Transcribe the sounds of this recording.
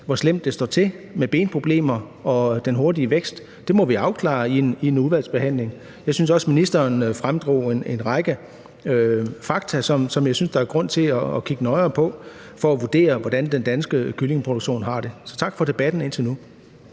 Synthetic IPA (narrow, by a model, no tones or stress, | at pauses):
ʋɒslem̰d̥ːesd̥ɒ̰ːt͡sʰe̝meb̥e̝̰ːnpʰʁo̝b̥le̝̰ːmɐ | ɒ̽d̥enɦo̝ɐdiəʋeɡ̥sd̥ːe̝mɒ̽ʋiɑ̈ʊkʰlɑ̰̈iienuðˠʋæl̰sb̥e̝ɦæn̰le̝ŋ | jɑ̈ɪsynsɒ̽sminisd̥ɐːnfʁamd̥ʁo̝̰ːene̝nʁɑ̈ɪɡ̥ə | øfɑ̈ɡ̥t͡sʰæsɒ̽msɒ̽mjɑ̈ɪsynsd̥ɑ̈æɐɡ̥ʁɔ̽n̰t͡sʰe̝lɒːkʰiɡ̥ənɒ̽ɪɐːpʰɒ̽ | fɒ̽æʋud̥e̝̰ːɐʋɒd̥ænd̥end̥ænsɡ̥əkʰyle̝ŋəpʰʁod̥oɡ̥ɕo̝̰ːnɦɑ̈d̥e̝sɒ̽t͡sʰɑ̈ɡ̥fɒ̽d̥e̝b̥æd̥n̩e̝n̰t͡sʰe̝lnu